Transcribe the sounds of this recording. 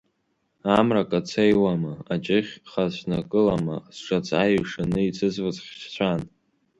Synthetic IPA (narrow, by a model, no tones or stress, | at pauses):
amrakʼat͡sʰejwamaat͡ʃʼɪχʲχasʷnakʼɨlama̰sʂat͡sʼajɥʂanɨit͡sʰɨzvɨt͡sʼχʲʃt͡ɕʷʰan